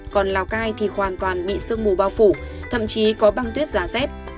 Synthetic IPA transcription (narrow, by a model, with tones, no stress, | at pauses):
kɔ˨˩nlaː˨˩wkaː˧jt̪ʰi˨˩hwaː˨˩nt̪waː˨˩nɓḭ˧˨sɨ˧əŋmu˧˩ɓaː˧wfu˧˩ | t̪ʰə̰˧˨mt͡ɕi˨˦kɔ˨˦ɓa˧ŋt̪wi˦˥ət̚z̥aː˨˦sɛ˦˥p̚